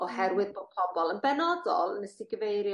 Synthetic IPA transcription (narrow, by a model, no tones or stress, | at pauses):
ɔhɛɾwɪðb̥odpʰɔbɔlˠənbɛnɔdɔ̰lˠənəsɪɡəvejɾj